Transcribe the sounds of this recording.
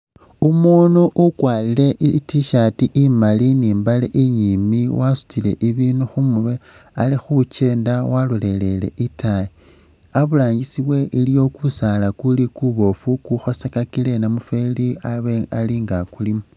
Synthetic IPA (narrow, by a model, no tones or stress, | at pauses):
umunuʔukwaːlile̞ʔitiʃatiʔimaliniːmbalḛʔiɲimiwasu̥t͡sile̞̰ʔiβiːnuxumurwe | alixut͡ʃe̞ːndawalule̞le̞le̞̰ʔitʰaji | aβulaːɲɡisiβwe̞ʔilijo̞kusalakulikuβo̞fukuxo̞sekakile̞namufe̞liaβealiŋɡakulimu